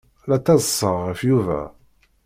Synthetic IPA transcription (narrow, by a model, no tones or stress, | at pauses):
læt̪ːɑzˤəsˤːəʁəfjuvæ̰